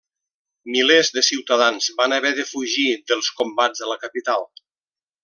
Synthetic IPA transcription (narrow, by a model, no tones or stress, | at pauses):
milezðəsiwt̪əðanzβanəβɛðəfuʒiðəlˠskombad͡zðələkəpit̪alˠ